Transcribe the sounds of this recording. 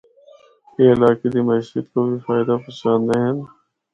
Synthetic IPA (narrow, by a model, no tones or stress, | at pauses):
eːɪlaːked̪imɐʃət̪kobifaːɪd̪apəsaːnd̪eɦə̃n